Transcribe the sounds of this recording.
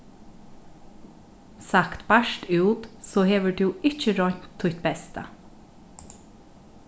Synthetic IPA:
sɑkt̪bæʃʈʉuːt̪soːheːʋəɖʉːʔɪçəɾɔɲt̪ʰːʊt̪bɛst̪ə̰

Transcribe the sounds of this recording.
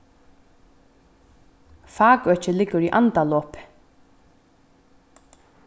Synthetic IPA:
fɑːkœt͡ʃəlɪɡʊɹiːʔa̰nt̪aloːp

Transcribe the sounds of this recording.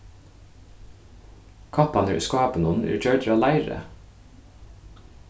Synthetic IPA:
kʰɑpɑnə̰skɑːpənʊnʔḛːt͡ʃœːd̪ɾɑːlæɪɾə̰

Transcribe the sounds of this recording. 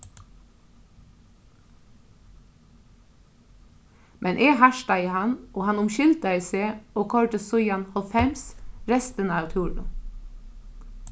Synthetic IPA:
mʔɛnʔeːhæʃʈɑiːhɑnʔoːhɑnʊmʃʏld̪əɪseːoːkʰɔɹʈəsʊʏɑnhɔlfɛmsɾɛst̪ənəɑːʋt̪ʰuːlʊ̰

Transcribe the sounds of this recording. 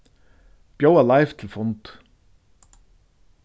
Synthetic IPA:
b̥joːwalajft̪ʰɪlfɔnt̪

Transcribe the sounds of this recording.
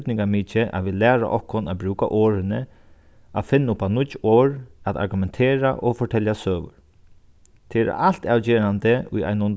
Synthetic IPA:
t̪nɪŋkamiːt͡ʃɪʔa̰ʋiːlæːɾa̰ʔɔhkːʊnabɾʉːka̰ʔoːɾɪnə | afɪnːʊpːanʊtːoːɹat̪a̰ɾɡʏmɛnt̪ʰeːɾa̰ʔɔfɔʈʰɛljasøːʋʊ̰ɾ | t̪ʰeɛɾ̰al̥t̪aːwt͡ɕeːɾant̪əʊ̰ja̰jnʊn

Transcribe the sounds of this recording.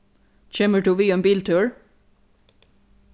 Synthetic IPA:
t͡ʃeːməʈuːʋiːembiːlt̪ʰʉːɹ

